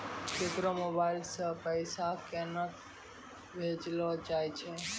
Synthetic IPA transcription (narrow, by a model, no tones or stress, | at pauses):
t͡ʃek̪ɾomoːbaːɪlsəpəjsakenək | bʱeːd͡ʒlod͡ʒaːjt͡ʃʰe